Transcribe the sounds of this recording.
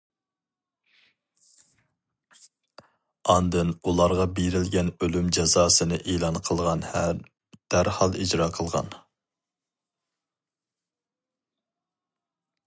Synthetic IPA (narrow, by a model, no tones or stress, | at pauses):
ɑnd̪ɨnulˠɑɾʁɑbeɾɪlɡʲɛnølymd͡ʒɛzɑːsɨnɨʔeːlˠɑnqʰəlˠʁɑnhɛɾ | d̪̥æɾhɑlˠid͡ʒɾɑːqʰəlˠʁɑ̰n